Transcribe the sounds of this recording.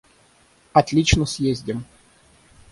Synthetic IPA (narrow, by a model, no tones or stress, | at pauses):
ɐt̪lʲit͡ɕnəsʲjezʲdʲɪm